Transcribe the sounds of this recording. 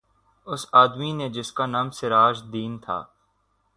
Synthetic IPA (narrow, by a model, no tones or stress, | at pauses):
ʊsaːd̪mined͡ʒɪskaːnaːmsɪɾaːʒd̪iːnt̪ʰa̰ː